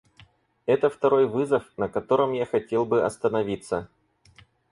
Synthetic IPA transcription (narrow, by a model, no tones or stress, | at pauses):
ɛt̪əft̪ɐɾo̞jvɨzəfnəkɐt̪o̞ɾəmjaxɐtʲe̞lˠbɨɐ̰st̪ənɐvʲit̪sːə